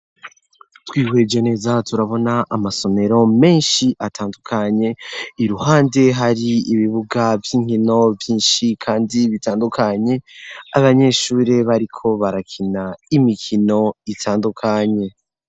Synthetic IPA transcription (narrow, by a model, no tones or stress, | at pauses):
twiːwe̞d͡ʒene̞ːzatuɾaβo̞naʔːmaso̞me̞ɾo̞me̞ːnʃiʔatʰaːndukʰaɲe̞iɾuhaːnde̞ɦaɾiiβiβuɡavjiːŋhino̞vjiːnʃikʰaːndiβitaːndukʰaɲe̞aβaɲe̞ʃuːɾe̞βaɾikʰo̞βaɾakʰinaimikʰino̞itʰaːndukʰaɲe̞